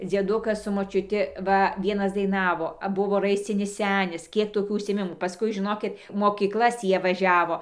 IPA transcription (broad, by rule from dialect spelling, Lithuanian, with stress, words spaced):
d͡zʲiɛˈdʊkɐs sʊ moːt͡ʃʲʊˈtʲɪ ˈʋɐ ˈʋʲiɛnɐs dɐɪˈnɑːʋoː ˈbʊʋoː ˈrɐɪsʲt͡sʲɪnʲɪs ˈsʲæːnʲɪs ˈkʲiɛk toːˈkʲuː ʊʃʲsʲɪeːˈmʲɪmuː pɐˈskʊɪ ʒʲɪˈnoːkʲɪt moːkʲiːkˈlˠɐs tʲiː ˈjiɛ ʋɐˈʒʲæːʋoː